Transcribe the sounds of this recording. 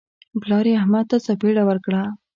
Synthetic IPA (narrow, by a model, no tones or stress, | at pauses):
ɡlɑɾiahmad̪̚t̪asapeɽawəɾkɽa